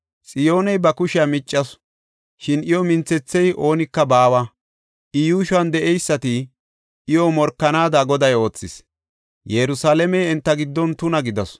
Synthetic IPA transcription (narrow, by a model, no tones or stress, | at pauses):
sʼɪjo̞ːnɛjbɐkʊʃɪjamɪt͡ʃʼːɐs | ʃɪnɪjɔmɪnt͡sːɛt͡sːɛjʔo̞ːnɪkːɐbaːwɐ | ʔɪjuːʃɐnd̪ɛʔɛjsːɐt̪ɪ | ʔɪjɔmɔɾkːɐnaːd̪aɡɔd̪ɐjo̞ːt͡sːɪs | jɛɾʊsaːlɛmɛjɛnt̪ːɐɡɪd̪ːɔnt̪ʊnɐɡɪd̪ɐs